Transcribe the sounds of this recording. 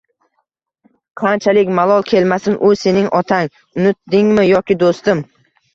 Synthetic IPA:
qʰɑnt͡ʃʰalɪkʲmalˠɒlˠkʲʰe̞lmasɪnʔʊse̞nɪŋʔɒt̪ʰaŋ | ʊnɪt̪̚d̪ɪŋmɪjɒkʲɪd̪ost̪ɪm

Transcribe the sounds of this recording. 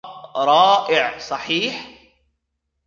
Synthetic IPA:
ɾˤɑːʔɪʕsˤɑħiːħ

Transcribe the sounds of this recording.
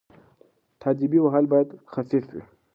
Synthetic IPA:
t̪ʰaːd͡ʒibiwaɦalbajad̪xafifwḭ

